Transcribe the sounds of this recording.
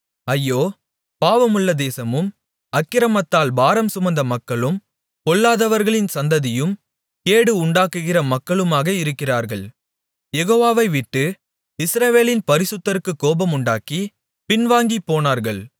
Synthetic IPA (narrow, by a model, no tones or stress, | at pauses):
ɐjːoː | paːʋɐmʊɭːɐd̪eːsɐmɯm | ɐkːɪɾɐmɐt̪ːaːlbaːɾɐmsʊmɐnd̪ɐmɐkːɐɭɯm | kɔɭːaːðɐʋɐɾɣɐɭɪnsɐnd̪ɐðɪjɯm | pkeːɽɯʊɳɖaːkɯɣɪrɐmɐkːɐɭɯmaːɣɐɪɾɯkːɪraːɾɣɐɭ | jɛɣoːʋaːʋɐɪʋɪʈːɯ | ɪsɾɐʋeːlɪnpɐɾɪsɯt̪ːɐɾɯkːɯkːoːbɐmʊɳɖaːki | pɪnʋaːŋɡipːoːnaːɾɣɐɭ